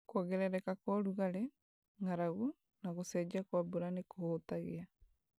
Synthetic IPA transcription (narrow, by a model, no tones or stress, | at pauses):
kwɔɣeɾɛɾɛkakwɔɾuɣaɾe | ŋaɾaɣu | naɣosɛd͡ʒakwabuɾanekohotaɣea